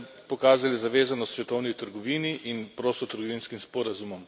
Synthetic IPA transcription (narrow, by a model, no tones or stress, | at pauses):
pɔkaːzalizaʋeːzanɔst̪sʋɛt̪ɔwnit̪əɾɡɔʋiːniʔinpɾoːst̪ɔt̪əɾɡɔʋinskimspɔɾazumɔm